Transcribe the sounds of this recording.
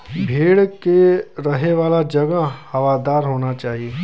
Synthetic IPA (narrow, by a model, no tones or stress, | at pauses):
bʱeːɽkeɾɐɦeʋaːlad͡ʒɐɡəhɐʋaːd̪aːɾɦoːnat͡ʃaːɦieː